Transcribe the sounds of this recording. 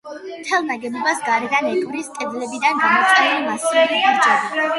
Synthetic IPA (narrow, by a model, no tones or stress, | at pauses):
mt̪ʰɛlˠnaɡɛbɔbasɡaɾɛd̪anɛɡuɾist̪ʼɛd̪lɛbid̪anɡamɔt̪sʼqʼɛnɛlimasilid̪ʰɡaɾd͡ʒɛba